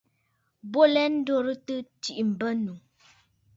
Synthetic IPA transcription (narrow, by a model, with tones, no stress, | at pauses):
bo˦lɛ˦n̩˦do˦ɾɨ˦tɨ˦ti˨ʔi˨m̩˨bə˦nu˨